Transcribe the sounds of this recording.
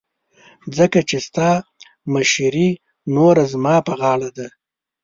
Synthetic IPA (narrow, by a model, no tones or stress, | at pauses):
zəkat͡ʃest̪ɑ | maʃɾi | noɾazmɑpəɣɑɽad̪a